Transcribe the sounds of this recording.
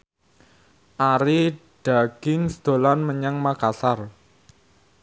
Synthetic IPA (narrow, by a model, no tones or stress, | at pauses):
ʔaɾi | ɖ̥a̤ɡ̥ɪŋsd̪̥olanməɲaŋmakasar